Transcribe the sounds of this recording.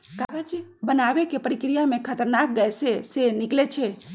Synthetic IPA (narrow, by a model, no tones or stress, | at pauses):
kakəd͡ʒbənaʋekepəɾikɾijamẽkʰət̪əɾnak̚ɡəjsesenɪklet͡ʃʰe